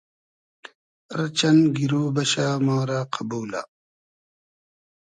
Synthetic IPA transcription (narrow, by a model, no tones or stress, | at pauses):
ɾt͡ʃɐnɡiɾoːbɐɕaːmaːɾaːqʰɐbuːla̰